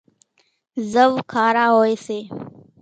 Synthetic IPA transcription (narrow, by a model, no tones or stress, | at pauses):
zəwkʰaːɾaːɦoːjseː